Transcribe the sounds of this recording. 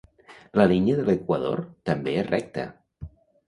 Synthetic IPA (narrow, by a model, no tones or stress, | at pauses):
ləlinjəðələkwəðo̰ɾt̪əmbeɛsrʔɛk̚t̪ə̰